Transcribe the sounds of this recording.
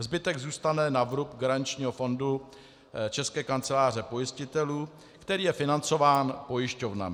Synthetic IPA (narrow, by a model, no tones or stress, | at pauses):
zbɪt̪ɛɡzuːst̪anɛnavɾupɡaɾaɲt͡ʃɲiːɦofo̞ndu | t͡ʃɛskɛːkant͡sɛlaːr̝ɛpo̞jɪscɪt̪ɛluː | kt̪ɛɾiːjɛfɪnant͡so̞vaːnpo̞jɪʃco̞vna̰m